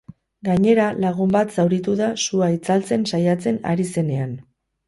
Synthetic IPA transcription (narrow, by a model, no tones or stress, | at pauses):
ɡaɲe̞ɾalaɣ̞umbat̪sawɾit̪uðasuait͡salt͡se̞nsajat͡se̞na̰ɾise̞ne̞an